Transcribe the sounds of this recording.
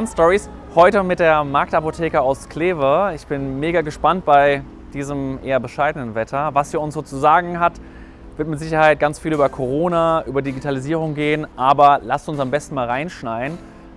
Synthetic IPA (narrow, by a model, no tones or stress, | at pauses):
anstɔʁishɔʏtəmɪt̚d̥eːɐmaɐk̚tapotʰɛːkəaʊskl̥eːvəɪçb̥ɪnmeːɡaɡəʃpant̚b̥aɪ | d̥iːzəmʔḛːɐbəʃaɪdənənvɛtʰɐvasiːɐʊnsz̥oːt͡suzaːɡŋ̩ɦat | v̥ɪɐtmɪtz̥ɪç̬ɐhaɪt̚ɡ̥ant͡sfiːlyːbɐkʰoʁ̞oːnaʔyːbɐdiɡitʰaliziːʁ̞ʊŋɡeːənʔaːbɐlastʊnsambɛstn̩maːlʁaɪnʃnaɪən